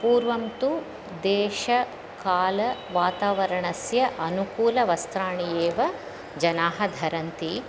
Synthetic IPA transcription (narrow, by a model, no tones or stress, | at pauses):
puːɾʋɐmt̪u | d̪eːʃɐ | kaːlɐʋaːt̪aːʋɐɾɐɳɐsjɐʔɐnukuːlɐʋɐst̪ɾaːɳijeːʋɐ | d͡ʒɐnaːɦɐd̪ʱɐɾɐnt̪i